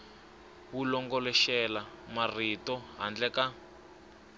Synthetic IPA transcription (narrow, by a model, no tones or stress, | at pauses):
wulɔŋɡɔlɛʃɛlamaritɔɦa̰nd͡ɮɛka